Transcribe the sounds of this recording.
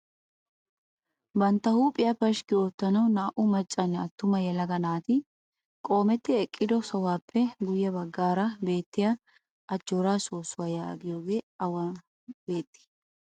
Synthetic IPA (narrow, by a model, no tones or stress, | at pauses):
bɐnt̪ːɐhuːpʼɪjɐpɐʃkɪoːt̪ːɐnɐwnaːʔʊmɐt͡ʃʼːɐnːɐt̪ːʊmɐjɛlɐɡɐnaːt̪ɪ | kʼo̞ːmɛt̪ːɪɛkʼːɪd̪ɔsɔwaːpʰːɛɡʊjːɐbɐɡːaːɾɐbe̞ːt̪ːɪja | ʔɐd͡ʒːoːɾaːso̞ːsːʊwaːjaːɡɪjo̞ːɡe̞ːɐwɐ | be̞ːt̪ʼːɪ̥